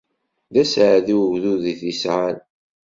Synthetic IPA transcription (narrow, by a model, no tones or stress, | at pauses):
ðæsʕəðiwəʝðuðiθisʁal